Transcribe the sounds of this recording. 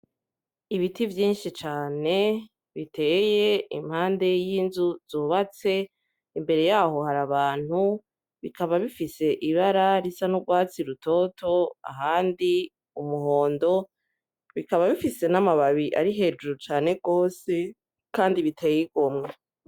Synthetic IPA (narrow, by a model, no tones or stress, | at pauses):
iβitivjiːnʃit͡ʃaːne̞ | βite̞ːje̞ḭm̥haːnde̞jiːnzuz̥oːβat͡se̞ | imbe̞ɾe̞jaːɦo̞haɾaβaːn̥hu | βikaβaβifise̞ʔiβaɾaɾisanuɡwaːt͡siɾuto̞tʰo̞a̰ɦaːndi | umuɦo̞ːndo̞ | βikaβaβifise̞namaβaβiʔa̰ɾiɦe̞d͡ʒuɾut͡ʃaːne̞ɡoːse̞ | kaːndiβitʰe̞ːjiɡomŋe